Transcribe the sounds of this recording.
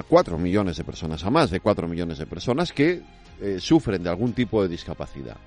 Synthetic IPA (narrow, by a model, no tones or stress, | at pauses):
kwat̪ɾo̰miʎo̞ne̞zðe̞pe̞ɾso̞nasamazðekwat̪ɾo̞miʎo̞ne̞zðepe̞ɾso̞naske | sufɾe̞nd̪ealɣ̞unt̪ipo̞ð̞e̞ð̞iskapaθḭð̞a̰